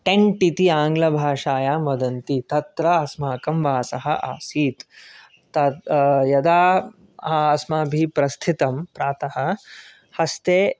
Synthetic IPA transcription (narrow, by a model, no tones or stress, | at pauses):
ʈeɳʈit̪iaːŋɡlɐbʱaːʂaːjaːmʋɐd̪ɐnt̪it̪ɐt̪ɾɐɐsmaːkɐmʋaːsɐɦɐ̰ʔaːsiːt̪ː | ɐjɐd̪aː | aɐsmaːbʱipɾɐst̪ʰit̪ɐmpɾaːt̪ɐhɐ̆ | hɐst̪eː